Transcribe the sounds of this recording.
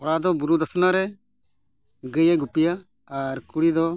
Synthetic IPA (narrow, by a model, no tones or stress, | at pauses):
ɔɽad̪ɔbuɾud̪əsnaɾɛ | ɡəjɛɡupijaː | ɾkuɽid̪ɔ